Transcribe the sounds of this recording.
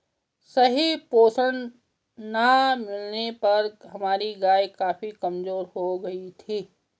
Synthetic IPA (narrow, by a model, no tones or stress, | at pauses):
sɐɦipoːsən | namɪlnepɐɾɦɐmaːɾiɡaːekaːfikɐmzoːɾɦoɡɐit̪ʰiː